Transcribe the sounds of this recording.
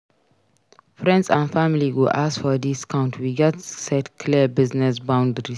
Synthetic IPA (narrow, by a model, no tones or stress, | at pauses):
fɾɛ̃ndzãnfamiliɡuʔasfɔd̪iskʰãʊ̃ntʰwiɡɛtsɛtkʰlibɪznɛsbãw̃ndɾi